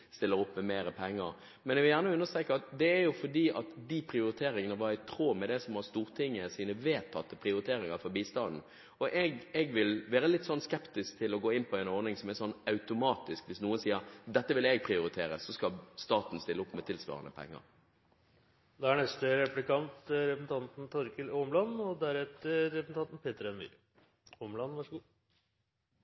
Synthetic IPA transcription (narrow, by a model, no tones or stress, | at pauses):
st̪ɪlːəɾʊpːmɛmeːɾəpʰɛŋːəɾ | mɛnɛɡʋɪljæːʁnəʉnːəst̪ʁɛkəɑt̪d̪ɛːɾjʊfɔɖiːʔɑt̪d̪ipʰɾɪʊɾɪt̪ʰeːɾɪŋənəʋɑɾɪt̪ʰɾoːmɛd̪ɛsɔmhɑst̪uːɾt̪ʰɪŋːəsiːnəʋeːt̪ʰːɑt̪ːəpʰɾɪʊɾɪt̪ʰeːɾɪŋɑɾfɔɾbiːst̪ɑnd̪n̩ | ɔʔɛɡɛɡʋɪlʋeːɾəlɪt̪ːsɔnːskɛpt̪ɪskt̪ʰɪlɔɡoːɪnpʰɔɛnɔɾnɪŋsɔmɛsɔnːɑʉt̪ʊmɑːt̪ɪskʋɪsnuːənsiːəɾd̪ɛt̪ːəʋɪlɛɡ̚pʰɾɪʊɾɪt̪ʰeːɾəsːɔskɑlst̪ɑːt̪n̩st̪ɪlːəʊpːmɛt̪ʰɪlsʋɑ̰ːʁə̰nə̰pʰɛ̰ŋːə̰ɾ | d̪ɑæɳɛst̪əɾɛplɪkɑnt̪ɾɛpəsn̩t̪ʰɑnt̪n̩t̪ʰɔɾkəlomlɑnɔd̪æɾɛt̪əɾɛpsn̩t̪ɑnt̪n̩peːt̪əɾɛnmḭːɾ | omlɑnʋæʂɡuː